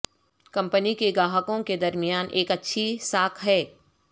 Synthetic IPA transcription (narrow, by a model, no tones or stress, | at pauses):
kɐ̃mpənikeɡaːɦəkõked̪ɐɾmijaːnʔeːkɐtːʃʰisaːkʰɦɛː